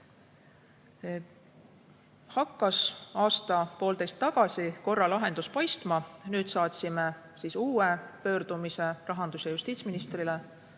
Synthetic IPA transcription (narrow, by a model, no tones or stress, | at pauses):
hɑkˑːɑsɑːst̪ɑpo̞ːld̪e̞jst̪ːɑɡ̥ɑsiko̞rːɑlɑɦe̞nd̪uspɑjst̪mɑnyːt̪sɑːt̪ʲsime | siːsuːepø̞ːɾd̪̥umise̞rɑɦɑnd̪̥usejust̪iːt̪sminist̪rile